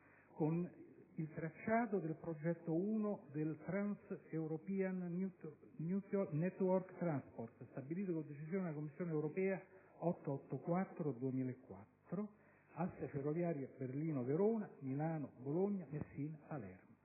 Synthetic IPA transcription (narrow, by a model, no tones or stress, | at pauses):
konilt̪ɾat͡ʃːaːt̪od̪elpɾod͡ʒɛt̪ːouːnod̪elt̪ɾansewɾopian | nuɔnɛt̪ːwɔrkt̪ːɾanspɔrt̪st̪abiliːt̪okod̪et͡ʃisjoːnelakomːisːjoːneɛwɾopɛːa | ɔt̪ːɔt̪ːokwat̪ːɾod̪uemiːlaekːwa̰t̪ːɾo | asːeferːovjaːɾjaberliːnoveɾoːnamilaːnoboloɲːamesːinpalɛ̰rmo